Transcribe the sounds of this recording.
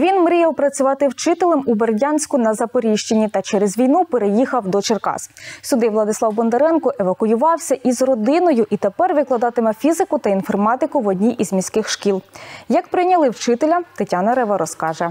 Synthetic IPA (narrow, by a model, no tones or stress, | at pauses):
ʋʲinmɾijɛlˠpɾɐt͡sʲʊʋɑt̪ɪwt͡ʃɪt̪elˠɐmuberʲdʲanʲsʲkʊnɐzɐpɔɾʲiʃt͡ʃenʲːit̪ɐt͡ʃɛɾezʋʲijnupeɾejixɐwd̪ɔt͡ʃerkɑ̰ssʲʊd̪ɪʋlˠɐd̪ɪsˠɑwbɔnd̪ɐɾɛnkɔʔeʋɐkʊjʊʋɑwsʲɐʔizrɔd̪ɪnɔjʊʔit̪epɛrʋɪklˠɐd̪ɑt̪ɪmɛfʲizɪkʊt̪ɐinfɔrmɑt̪ɪkʊʋɔdʲnʲiʔizmʲisʲkɪxʃkʲilˠjɐkpɾɪjnʲɐlˠɪwt͡ʃɪt̪elʲɐt̪etʲanɐɾɛʋɐɾɔskɑʒɛ